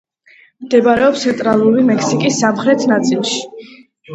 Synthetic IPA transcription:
md̪ɛbaɾɛɔpst̪ʰɛnt̪ʼɾalˠuɾimɛkʰsikʼisːamχɾɛt̪ʰnat̪sʼilˠʃi̥

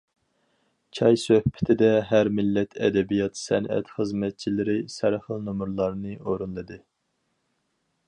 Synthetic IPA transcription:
kʲʰɑjsøhpʰɪ̥t̪ʰɪd̪ɛɦæɾmɪlːɛt̪ʰɛ̰d̪ɛbijɑt̪sɛnʔɛ̰t̪χəzmɛt̪̚t͡ʃʰilɪɾɪsæɾχəlˠnomɾlˠɑɾnɨoɾunlˠɨd̪ɨ

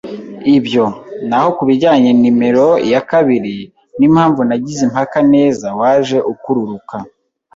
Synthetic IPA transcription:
ibjo̞naho̞kuβiɟaːɲenime̞ɾo̞jakaβiɾi | nimhaːɱvunaɟizimhakane̞ːzawaːʒe̞ʔukuɾuɾuka

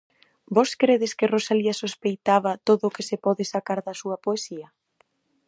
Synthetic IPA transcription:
bɔskɾeðɪskɪrosaliɐsospejt̪aβɐt̪oðʊːkɪsɪpɔðɪsakaɾðɐsuɐpoesiɐ

